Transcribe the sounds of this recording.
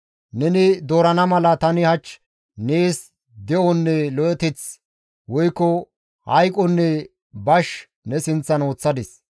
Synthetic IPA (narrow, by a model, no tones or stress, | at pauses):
nɛnɪd̪oːɾɐnɐmɐlɐt̪ɐnɪhɐt͡ʃː | neːs | d̪ɛʔɔnːɛlɔʔɛt̪ɪt͡s | wɔjkːɔ | hɐjkʼɔnːɛ | bɐʃ | nɛsɪnt͡sːɐno̞ːt͡sːɐd̪ɪs